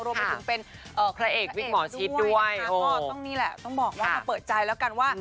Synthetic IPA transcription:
ɾu˧pa˧˩tʰɯ˩˦pe˧n | ʔɤː˨˩pʰɾa˧ʔeː˨˩k̚wi˦˥t̪̚mɔː˩˦t͡ɕʰi˦˥du˥˩əjːt̪ɔ˥˩ŋniː˦˥lɛ˨˩ʔt̪ɔ˥˩ŋbɔː˨˩k̚waː˥˩a˧˩pɤː˨˩t̪̚t͡ɕa˧jlɛː˦˥wka˧nwaː˥˩

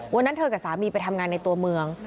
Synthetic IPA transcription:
wa˧nːa˦˥nt̪ʰɤː˧kaː˨˩saː˩˦miː˧pa˧jt̪ʰa˧mŋaː˧nːa˧jt̪u˧ɐmɯ˧əŋ

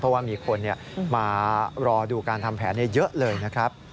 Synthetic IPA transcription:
pʰɔ˦˥waː˥˩miː˧kʰo˧nːi˥˩ɐmaː˧ɾɔː˧duː˧kaː˧nt̪ʰa˧mpʰɛ̰ː˩˦nːi˥˩ɐjɤ˦˥ʔlɤː˧jna˦˥kʰɾa˦˥p̚

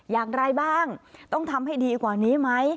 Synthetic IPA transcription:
jaː˨˩ŋɾa˧jbaː˥˩ŋt̪ɔ˥˩ŋt̪ʰa˧mha˥˩jdiː˧kwaː˨˩niː˦˥ma˦˥j

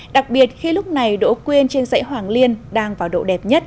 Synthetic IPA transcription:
ɗa˨˩k̚ɓi˨˩ət̚xi˧lʊ˦˥k͡p̚na˨˩jɗo̰˧˥kwi˧ənt͡ɕe˧nzə̰˧˥jɦwaː˨˩ŋli˧ənɗaː˧ŋvaː˨˩wɗo̰˧˨ɗɛ˨˩p̚ɲə˦˥t̚

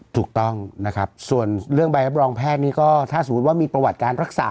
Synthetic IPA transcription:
t̪ʰuː˨˩k̚t̪ɔ˥˩ŋna˦˥kʰa˦˥p̚su˨˩ənɾɯ˥˩əŋba˧jɾa˦˥p̬̚ɾɔː˧ŋpʰɛː˥˩t̪̚niː˦˥kɔː˥˩t̪ʰaː˥˩so˨˩mu˦t̪̚waː˥˩miː˧pɾa˧wa˨˩t̪̚kaː˧nɾa˦˥k̚sa̰ː˨˩˦

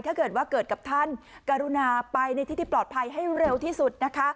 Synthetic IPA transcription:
t̪ʰaː˥˩kɤː˨˩t̪̚waː˥˩kɤː˨˩t̪̚ka˨˩p̚t̪ʰa˥˩nkaː˧ɾu˧naː˧pa˧jna˧j̪i˦˥t̪ʰːi˥˩plɔː˨˩t̪̚pʰa˧jɦa˥˩jɾe˧wt̪ʰiː˥˩su˨˩t̪̚na˦˥kʰa˦˥

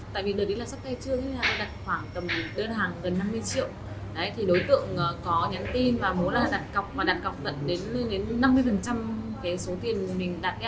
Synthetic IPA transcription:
t̪a̰ː˧˨jvi˨˩ɗɨ˨˩ɗi˨˦laː˨˩sa˦˥k͡p̚t̪a˧jt͡ɕɨ˦˥əə˨˦laː˨˩˧ɗaː˨˩t̚xwaː˧˩ŋt̪ə˨˩mɗəː˧nɦaː˨˩ŋɣə˨˩nːa˧mːɨ˧əjt͡ɕḭ˧˨əw | ɗə˨˦jt̪ʰi˨˩ɗo˨˦jt̪ɨ̰˧˨əŋʔːkɔ˨˦ɲa˨˦nt̪i˧nvaː˨˩mu˨˦laː˨˩ɗaː˨˩t̚ka˨˩wk͡p̚vaː˨˩ɗaː˨˩t̚ka˨˩wk͡p̚zə̰˧˨nɗe˨˦n˧ɗe˨˦nːa˧mːɨ˧əjfə˨˩nt͡ɕa˧mkaː˨˦jso˨˦t̪i˨˩ənmï˨˩ŋ̟ɗaː˨˩t̚ɗ

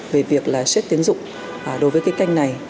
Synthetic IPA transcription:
ve˨˩vi˨˩ək̚laː˨˩swɛ˦˥t̚t̪i˨˦ənzʊ̰˧˨ŋ͡m | ɗo˨˦jvəː˨˦kaː˨˦jka˧jŋ̟na˨˩j

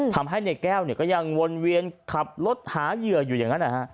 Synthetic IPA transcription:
t̪ʰa˧mɦa˥˩jna˧˩kɛː˥˩wni˦˩kɔː˥˩ja˧ŋwo˧nwi˧ənkʰa˨˩p̚lo˦˥t̪̚haː˩˦jɯ˨˩əjuː˨˩aː˨˩ŋa˦˥nːʔa˧˩ha˦˥ʔ

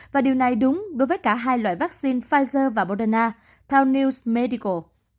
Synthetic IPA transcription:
vaː˨˩ɗi˨˩əwna˨˩jɗʊ˨˦ŋ͡mɗo˨˦jvəː˨˦jkaː˧˩ɦaː˧jlwa̰ː˧˨jvaː˦˥k̚si˧nfaː˧jzəː˧vaː˨˩ɓo˧ɗə˧naː˧ | t̪ʰɛ˧wni˧wsme˧ɗi˧ko˨˩

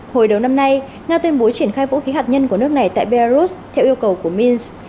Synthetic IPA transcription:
ho˨˩jɗə˨˩wna˧mna˧j | ŋaː˧t̪wi˧nɓo˨˦t͡ɕi˧˩ənxaː˧jvṵ˧˥xi˨˦ɦaː˨˩t̚ɲə˧nku˧˩ənɨ˦˥ək̚na˨˩jt̪a̰ː˧˨jɓe˧laː˧zu˦˥st̪ʰɛ˧wʔi˧əwkə˨˩wku˧˩əmi˧ns

